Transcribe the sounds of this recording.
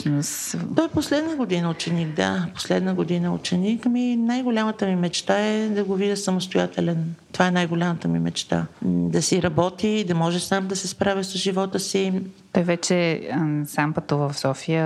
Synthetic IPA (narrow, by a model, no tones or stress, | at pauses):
nʊst̪ɔɛposlɛd̪nəɡod̪inəʊt͡ʃɛniɡd̪a̰po̥slɛd̪nəɡod̪inəṵt͡ʃɛnikminajɡolʲamət̪əmimɛt͡ʃt̪aɛd̪ɐɡovid̪əsəmost̪ojat̪ɛlɛnt̪ovaɛnajɡolʲamət̪əmimɛ̰t͡ʃt̪a̰d̪ɐsiɾɐbɔt̪id̪ɐmɔʒɛsamd̪ɐsɛspɾavisəzʒivɔt̪əsit̪ɔjvɛt͡ʃɛsampət̪uvəfsɔfijə